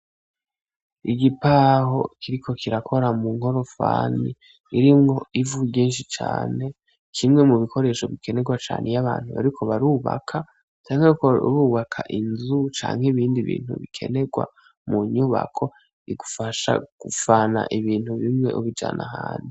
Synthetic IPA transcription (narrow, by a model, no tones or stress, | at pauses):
iɡipaːɦo̞kʰiɾikʰo̞kʰiɾakʰo̞ɾamuŋho̞ɾo̞fa̰ːni | iɾimŋo̞ivuɟiːnʃit͡ʃa̰ːne̞ | kʰimŋe̞muβikʰo̞ɾe̞ʃo̞βikʰe̞ne̞ɡwat͡ʃa̰ːnʔejaβaːnhuβa̰ɾikʰo̞βaɾuːβa̰kʰa | t͡ʃaːŋheko̰ɾuːβakʰaʔinzut͡ʃa̰ːŋheβiːndiβḭːnhṵβḭkʰe̞̰ne̞ɡwa̰ | muɲuβa̰kʰo̞ | iɡufaʃa̰ɡ̥ufana̰ʔiβiːn̥huβimŋe̞̰ʔuβid͡ʒa̰ːnaɦaːni